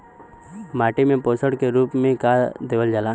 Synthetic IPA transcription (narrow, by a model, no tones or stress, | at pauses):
maːʈimẽpoːsəɽkeɾuːpmẽkaːd̪eːʋəld͡ʒala